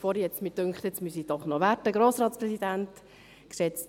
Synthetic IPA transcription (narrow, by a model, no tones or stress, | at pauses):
fɔːɾjɛt͡stmɪd̥øŋkχt̪ɛt͡smysid̥ɔχnɔʋæɾtəɡɾoːsɾɑːtspɾɛsid̪ænt̪ | ksɛt͡s